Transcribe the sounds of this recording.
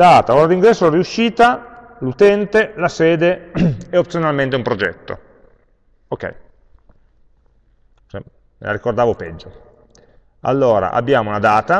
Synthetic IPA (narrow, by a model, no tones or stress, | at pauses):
d̪aːt̪aoːɾad̪iŋɡɾɛsːoɾiuʃːiːt̪a | lut̪ɛnt̪elasɛːd̪eɛop̚t̪sjonalment̪̬eumpɾod͡ʒɛt̪ːo̰ | ok̟ːɛ̰j | t͡ʃɛ | mḛlaɾikord̪aːvopɛd͡ʒːo | a̰lːoːɾa̰ʔa̰bːjaːmounad̪aːt̪a